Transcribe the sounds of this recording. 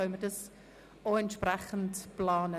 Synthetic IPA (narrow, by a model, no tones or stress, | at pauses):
œmədəs | oɛntʃprɛχən̩tplɑːnə